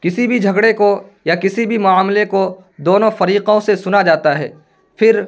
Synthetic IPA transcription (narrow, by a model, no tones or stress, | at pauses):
kɪsibʱid͡ʒʱɐɡɽekojakɪsibʱimʊaːmleko | d̪oːnõfɐɾiːqõsesʊnad͡ʒaːt̪aɦɛ̰ː | fʰɪɾ